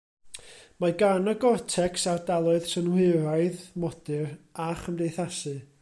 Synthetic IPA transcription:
maɡanəɡɔrtʰɛksardalˠʊɨð̥sənwɪɾaɨðmɔd̥ɨraχəmdejθasɨ

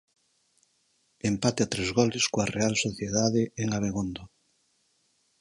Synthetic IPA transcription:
empat̪eat̪ɾezɣɔlɪskoɐrealsoθjeðaðeeŋaβ̞eɣond̪o

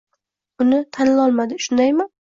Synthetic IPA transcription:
ʊnɪt̪ʰanlɒlˠmad̪ɪʃʊnd̪ajmɪ

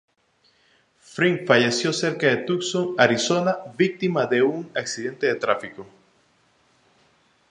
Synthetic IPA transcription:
fɾiŋfaʝe̞sjo̞se̞ɾkaðe̞t̪uksoŋaɾiso̞naβik̚t̪imaðe̞uŋaksiðe̞nt̪e̞ðe̞t̪ɾafiko

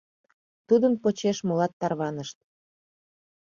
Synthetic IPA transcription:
t̪ud̪ənpot͡ɕeʃmolɑt̪ːɑrβɑnəʃt̪̚

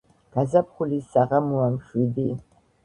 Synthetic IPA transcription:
ɡ̥azɐpχʷʊlisaʁɐmuamʃidiː

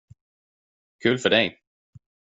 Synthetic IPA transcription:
kʰʉ̟ːlfœɖɛj

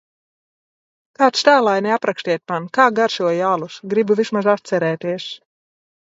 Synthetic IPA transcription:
kaːt̪st̪æːlˠajniapɾaksʲt̪ʲiɛt̪̚ʲmankaːɡaɾʃuɔjaːlˠusɡɾibuvismazat̪t̪sɛɾɛːt̪iɛs

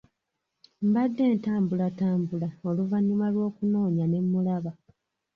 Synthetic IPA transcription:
mbadːe̞ːntaːmbulataːmbulao̞luvaɲːumalwo̞ːkuno̞ːɲane̞mːulaβa

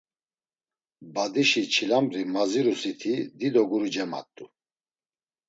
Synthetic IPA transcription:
bad̪iʃit͡ʃʰilambɾimaziɾusit̪ʰid̪id̪ɔɡuɾid͡ʒɛma̰t̪ʼu

